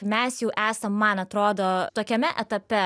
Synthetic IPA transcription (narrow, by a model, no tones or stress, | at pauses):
mʲæsjɛʊʔæːsɐmːɐnɐt̪ɾoːd̪oːt̪oːkʲɛmʲɛʔɛt̪ɐpʲɛ